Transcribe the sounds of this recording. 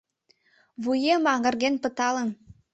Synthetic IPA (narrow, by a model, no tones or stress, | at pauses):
βujemɑŋɡə̆rɣenpə̆t̪ɑlə̆n